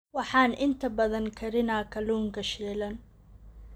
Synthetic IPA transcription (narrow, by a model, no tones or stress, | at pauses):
wɑħɑːnʔɪnt̪ʰɐbɐðɐŋkʰɐɾɪnaːkʰɐluːŋkʰɐʃɛːlɐn